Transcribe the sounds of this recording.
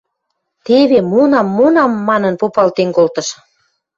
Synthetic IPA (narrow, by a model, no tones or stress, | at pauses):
t̪eβemonɑmːonɑmːɑnənpopɑlt̪eŋkolt̪ə̆ʃ